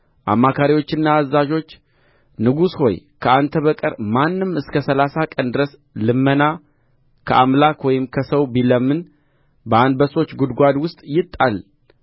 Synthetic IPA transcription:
ʔa̰mːakʰaɾiwo̞t͡ʃːɪnːaːzːaʒo̞t͡ʃː | nɨɡusho̞̰j | kʰəant̪ʰəβəkʼəɾmanːɨmɨskʰəsəlasakʼənd̪ɨɾəs | lɨmːəna | kʰəʔamlakwɔjɪmkʰəsəwbiləmːɨn | bəand̪bəso̞t͡ʃːɡud̪ɡʷad̪wʊst̪ʼjɪt̪ʼːal

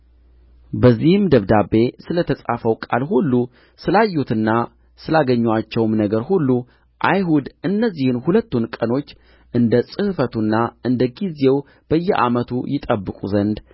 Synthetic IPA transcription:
bəzːihɨmd̪əβd̪abːe̞sɨlət̪ʰəsʼafəwkʼa̰lhulːu | sɨlajːut̪ɨnːa | sɨlaɡəɲːwat͡ʃːɛwmnəɡəɾhulːu | ʔa̰jɦud̪ɨnːəzːihɨnhulət̪ːunkʼəno̞t͡ʃː | ʔɨnd̪əsʼɨhfət̪ʰunːaʔɨnd̪əɡize̞w | b̥əjːɛʔa̰mət̪ʰṵjɪt̪ʼəbːɨkʼṵzənd̪

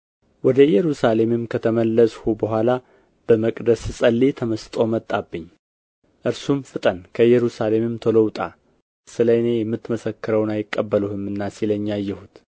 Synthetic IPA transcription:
wɔd̪əjɛɾusale̞mɪmkʰət̪ʰəməlːəsʼhubəɦʷala | b̥əməkʼd̪əssʼəlːit̪ʰəməst̪ʼo̞mət̪ʼːabːɨɲː | ʔɨɾsumfɨt̪ʼənkʰəjɛɾusale̞mɪmt̪ʰələwt̪ʼa | sɨləjne̞jɛmːɨt̪ːməsəkːɨɾəwnajɪkʼːəbːəluhɨmɨnːasiləɲːajːɛhut̪

